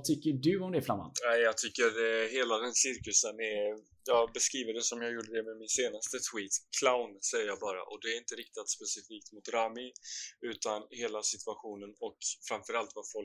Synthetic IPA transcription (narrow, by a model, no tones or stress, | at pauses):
t̪ʰʏkːəɖɵɔmd̪ɛfɾamːa̰nnæɪjɑːɡ̚t̪ʰʏkːədɛɦeːlad̪ɛnsɪɾkɵsənɛɾ | jɑːɡbɛskɾiːvəɖɛsɔmjɑːɡjuːɖəd̪ɛmɛmɪnseːnast̪ət̪ʰwiːt̪kʰlaʊnsɛjːəɾjɑːbɑːɾa̰ʔɔd̪ɛːɾɪnt̪əɾɪk̚t̪at̪spɛsɪfiːk̚t̪mʊt̪ɾaːmɪʉ̟ːt̪anheːlasɪt̪ʰʉaɧuːnənɔkfɾamfœɾalt̪vafɔl